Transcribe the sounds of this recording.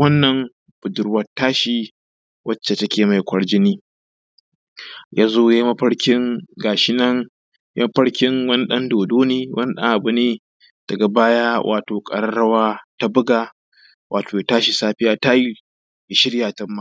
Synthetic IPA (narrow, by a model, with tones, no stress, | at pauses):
wɐ˦nːɐ˨ŋ | b̥ʊ˨dʊ˨ɽwɐ˨tːaː˦ʃi˨ | wʔɐ˦t͡ʃːe˨tɐ˦kʲʰeː˨ma˨jkʷʰɐ˨ɽd͡ʒɪ˦niː˦ | jaː˦zoː˦jaː˦ji˦mɐ˦ɸɐ˦ɽkʲɪ˦ŋɡaː˨ʃɪ˦nɐ˦ŋ | ja˦mɐ˦ɸɐ˦ɽkʲɪ˦ŋwɐ˦ni˦ɗɐ˦ndoː˨doː˦niː˦wʔɐ˦ni˦ɗɐ̰˦ŋʔa˨bʊ˨neː˦ | d̥ɐ˨ɡa˨baː˦jaː˦wʔa̰ː˨toː˨kʼɐ̰˨ɾɐ˦ɽɐ˦waː˦ta˦bʊ˦ɡaː˨ | wʔaː˨toː˨ja˨taː˦ʃi˨saː˦ɸɪ˦jaː˦ta˦ji˦ | jɪ˨ʃɪ˦ɽjaː˨tɐ˦mːa˦˨